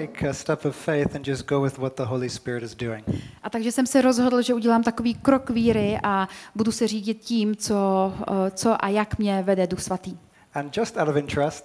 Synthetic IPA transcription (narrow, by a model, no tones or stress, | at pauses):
eɪkʰɨstɛpʌv̥feɪθɨ̃nd͡ʒʌsɡ̥oʊwɨðwʌt̪̚ðəɦoʊlˠispɪɹɨɾɨzdʉɪ̰̃ŋʔat̪aɡʒɛsɛmsɛɾo̞zɦo̞dl̩ʒɛuɟɛlaːmt̪ako̞viːkɾo̞kviːɾɪʔabudusɛriːɟɪt̪̚ciːmt͡so | t͡so̞ʔajakmɲɛvɛdɛduxsvat̪iː | ɨ̃nd͡ʒʌstaʊɾʌvɪ̃nt͡ʃɹ̥ɛst